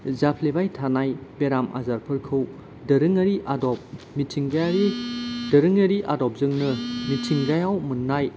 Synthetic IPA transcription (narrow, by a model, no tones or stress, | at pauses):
zapʰlebajtʰanajbeɾamʔa̰zaɾpʰɯɾkʰɯw | dɐɾɯŋɐɾiʔadɔp̚ | mitʰiŋɡajaɾidɐɾɯŋɐɾiʔadɔp̚zɯŋnɯmitʰiŋɡajawmɯnːaj